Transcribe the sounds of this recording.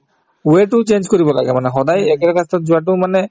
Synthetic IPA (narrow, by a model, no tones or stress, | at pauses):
ueʈut͡ɕend͡ʑkoɾibɔlaɡemaneɦɔd̪ajɛkeɾkast̪ʰat̪d͡ʑuaʈ̬umane